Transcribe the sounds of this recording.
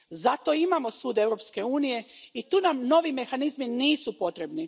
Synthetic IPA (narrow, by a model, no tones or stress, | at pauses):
zat̪o̞imamo̞suːd̪e̞ʋɾo̞pske̞uːnije̞it̪uːnamno̞ʋime̞xanizminiːsupo̞t̪ɾe̞bni